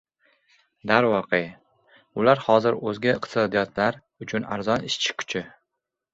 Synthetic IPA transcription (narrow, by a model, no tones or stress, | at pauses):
d̪aɾwɒqʰe | ʊlaɾhɒzɪɾɵzɡʲaɪqt̪ʰɪ̥sɒd̪ijɒt̪laɾ | ʊt͡ʃʰʊna̰ɾzɒnɪʃt͡ʃʰɪ̥kʲʰʊ̥t͡ʃʰɪ